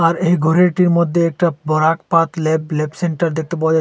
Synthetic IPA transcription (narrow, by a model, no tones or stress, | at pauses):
aɾejɡʱɔɾeʈiɾmod̪ʱːeɛk̚ʈabɔɾakpat̪leblebseɳʈaɾd̪ek̚t̪epad͡ʑa